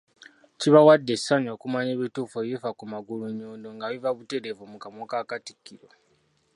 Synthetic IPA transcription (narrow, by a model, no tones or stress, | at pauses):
ciβawadːesaɲo̞ːkumaɲeβituːfejifakumaɡuluɲoːndoŋɡaβivaβute̞ɾevumukamokakati̥kːiɾo